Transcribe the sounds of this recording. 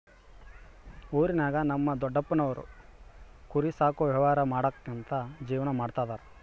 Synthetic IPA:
oːɾinaːɡɐnɐmːɐd̪ɔɖːɐpːɐnɐʋɐɾṵ | kuɾisaːkuʋjɐɐʋaːɾɐmaːɽɐkːent̪ɐd͡ʒiːʋɐnɐmaːɽt̪aːd̪aːɾ

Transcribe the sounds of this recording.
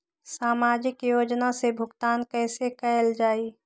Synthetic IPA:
saːmaːd͡ʒɪkjoːd͡ʒnasebʱʊɡt̪aːnkɛːsekɛld͡ʒaːi

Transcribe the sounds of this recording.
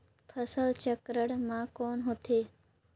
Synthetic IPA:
pʰəsəlt͡ɕəkɾəɽmãkoːnɦot̪ʰeː

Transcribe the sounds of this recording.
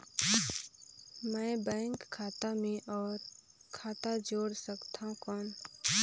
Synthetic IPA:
mɛ̃ːbɛ̃ːŋkʰːaːt̪amẽʔɔːɾ | kʰaːt̪ad͡ʒoːɽsəkt̪aɦũkɔːn

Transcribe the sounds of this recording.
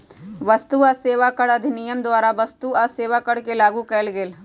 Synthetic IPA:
ʋɐst̪uaseːʋakəɽɐd̪ʱɪnijəmd̪waːɾaʋɐst̪uaseːʋakəɽkelaːɡukɛlɡeːl

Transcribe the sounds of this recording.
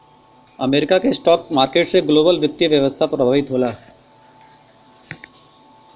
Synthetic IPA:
ɐmeːɾɪkakesʈɔːk̚maːɾkeːʈseɡloːbəlʋɪt̪ːjəʋjɐʋəst̪ʰapɾɐbʱaːɪt̪ɦoːlaːɦ

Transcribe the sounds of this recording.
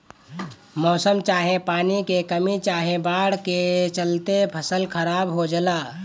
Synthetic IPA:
mɔːsəmt͡ʃaːɦẽpaːnikekəmit͡ʃaːɦẽbaːɽ̤ket͡ʃəlt̪epʰəsəlkʰəɾaːbɦod͡ʒəlaː

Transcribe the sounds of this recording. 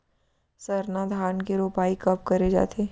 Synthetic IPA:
sɐɾnad̪ʱaːnkeɾoːpaːikɐp̚kɐɾed͡ʒa̰ːt̪ʰeː

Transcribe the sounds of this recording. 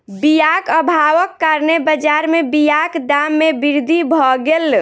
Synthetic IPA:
bijakəbʱaʋəkːaɾnebəd͡ʒaɾmebijakd̪amːebiɾd̪ʱibʱɔɡel

